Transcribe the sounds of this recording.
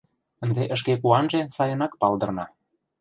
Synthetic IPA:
ənd̪eʔə̆ʃ̬kekuɑnʒesɑjə̆nɑkpɑld̪ɤ̆rnɑ

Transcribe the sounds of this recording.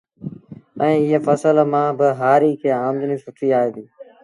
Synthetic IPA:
ɛ̃ːɪɦefəsəlmãːbɪɦaːɾiːkʰeːaːmd̪ənĩːsʊʈʰiːaːɦeːd̪iː

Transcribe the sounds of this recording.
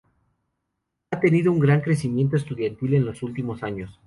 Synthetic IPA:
at̪e̞niðouŋɡɾaŋkɾe̞simje̞nt̪oest̪uðjant̪ilenlo̞sult̪imo̞saɲo̞s

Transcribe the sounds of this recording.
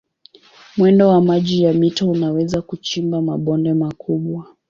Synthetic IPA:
mwɛndɔwamaʄijamitɔunawɛzakut͡ʃimbamaɓɔndɛmakʰuɓwa

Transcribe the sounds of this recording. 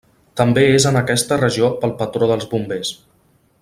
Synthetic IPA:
t̪əmbeezənəkɛst̪ərəʒiopəlˠpət̪ɾoðəlˠzbumbes

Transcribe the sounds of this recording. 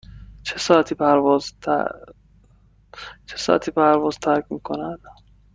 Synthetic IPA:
t͡ʃʰesɒːæt̪ʰiːpʰæɾvɔz̰ʰ | t͡ʃʰe̥sɒ̰ːʔæ̰t̪ʰiːpʰæɾvɒːzt̪ʰæɾkʲʰmiːkʰonæd̪̥

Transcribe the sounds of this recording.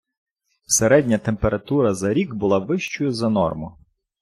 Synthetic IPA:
wseɾɛdʲnʲɐt̪empeɾɐt̪uɾɐzɐɾʲiɡbʊlˠɑʋɪʃt͡ʃʊjʊzɐnɔ̰rmʊ

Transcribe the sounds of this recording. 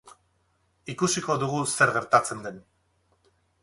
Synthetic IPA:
ikusiko̞ðuɣuseɾɣe̞ɾt̪at͡se̞nd̪e̞n

